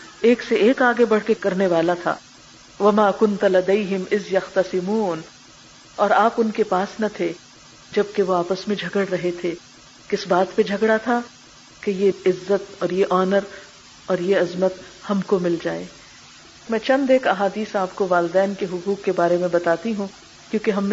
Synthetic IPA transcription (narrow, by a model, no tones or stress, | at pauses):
eːkseeːkaːɡebɐɽ̤kekɐɾneʋaːlat̪ʰa̰ː | ʋɐmaːkʊnt̪lɐd̪eɪɦɪmɪzjɐxt̪ɐsɪmuːn | ɔːɾaːpʊnkepaːsnɐt̪ʰe | d͡ʒɐb̚keʋoaːpəsmẽd͡ʒʱɐɡəɽɾɐɦet̪ʰe | kɪsbaːt̪ped͡ʒʱɐɡɽat̪ʰa | kejeɪzːət̪ɔːɾjeʔɔːnəɾ | ɔːɾjeɐzmət̪ | hɐmkomɪld͡ʒaːeː | mɛ̃ːt͡ʃɐ̃nd̪eːkɐɦaːd̪iːsaːp̚koʋaːlɪd̪ɛːnkeɦʊkuːkːebaːɾemẽbɐt̪aːt̪iɦũ | kjõːkeɦɐm